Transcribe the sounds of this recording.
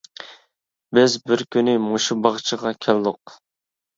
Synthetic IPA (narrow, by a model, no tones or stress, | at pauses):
bɪzbɪɾkʲynɪmoʃubɑʁt͡ʃʰəʁɑkʲʰɛld̪ʊq